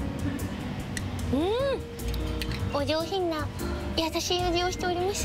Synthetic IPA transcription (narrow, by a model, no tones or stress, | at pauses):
ɯ̃ | od͡ʑo̞ːçĩnːajat̪aɕiod͡ʑioːɕi̥t̪e̞oɾʲimaɕ